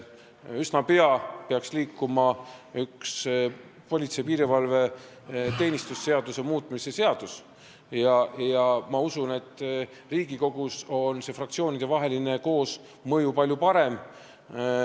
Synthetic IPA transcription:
ysnɑpeɑpeɑksliːkːumɑyks | po̞lʲit̪sejpiːɾivɑlve̞ | t̪e̞ːnʲist̪usːe̞ɑd̪̥use̞muːt̪ːˑmisese̞ɑd̪̥us | jɑjɑmɑusune̞t̪ː | riːɡ̥iko̞ɡ̥uso̞nse̞frɑktsio̞ːnʲid̪̥e̞vɑɦe̞line̞ko̞ːs | mɤjupɑlʲjupɑɾe̞m

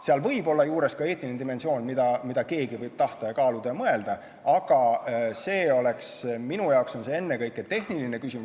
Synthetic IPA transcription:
seɑlvɤjbo̞lːɑjuːɾe̞skɑe̞ːt̪ːˑined̪ime̞nsio̞ːnʲmid̪ɑmid̪ɑke̞ːɡivɤjb̥̚t̪ɑht̪ɑjɑkɑːlud̪̥ɑjɑmɤe̞ld̪̥ɑ | ɑɡ̥ɑse̞ːo̞le̞ksminujɑokso̞nse̞enːe̞kɤjkːˑet̪e̞ɦniline̞kysʲimu

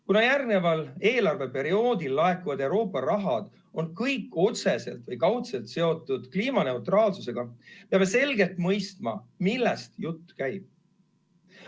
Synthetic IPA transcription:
kunɑjærɡne̞vɑle̞ːlɑrve̞pe̞ɾio̞ːd̪ilːɑe̞kːuvɑd̪e̞wɾo̞ːpˑːɑɾɑɦɑd̪̥ | o̞nkɤjkːˑo̞t̪se̞se̞̰lt̪vɤjkɑwt̪se̞lt̪se̞o̞t̪ːˑud̪̥kliːmɑne̞uwt̪rɑːlsuse̞ɡ̥ɑpeɑme̞se̞lɡe̞lt̪ˑmɤjst̪mɑ̰milːest̪jut̪ːkæjb̥̚

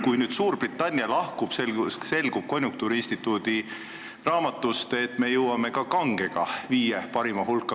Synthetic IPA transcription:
kujnyːd̪̥suːɾb̥rit̪ːˑɑnʲːjɑlɑhkub̥sese̞lɡ̥ub̥̚ko̞nʲjukt̪uːɾiinsʲt̪it̪ːˑuːd̪̥i | rɑːmɑt̪ˑːust̪e̞t̪me̞jɤwɑme̞kɑkɑŋɡ̥e̞ɡ̥ɑ̰viːjepɑɾimɑɦulkːˑɑ

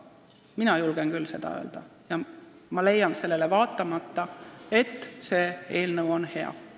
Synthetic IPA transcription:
minɑjulɡ̥enkylse̞d̪̥ɑ̰ø̞ːld̪̥ɑjɑ | mɑle̞jːɑnse̞lːe̞levɑːt̪ːˑɑmɑt̪ːɑe̞t̪ːseːe̞ːlnɤwo̞nhe̞ɑ̰

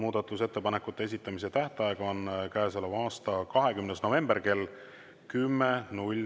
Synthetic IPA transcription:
muːd̪̥ɑt̪ːˑuse̞t̪ːe̞pɑne̞kːˑut̪ːˑeesit̪ːˑɑmis̬e̞t̪æht̪eɑjeɡ̥ɑonkæeselevɑːst̪ɑkɑɦe̞kymnesno̞ve̞mb̥e̞rke̞l | kymːenulʲ

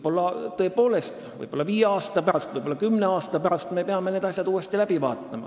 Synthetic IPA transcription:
bo̞lːɑt̪ɤ̞ːpo̞ːle̞st̪vɯ̰jbo̞lːɑviːjeɑːst̪ɑpæɾɑst̪vɯjbo̞lːɑkymːne̞ɑːst̪ɑpæɾɑst̪me̞peɑme̞ned̪̥ɑsʲjɑd̪̥uːest̪ilæb̥ivɑ̰ːt̪ˑːɑmɑ̰

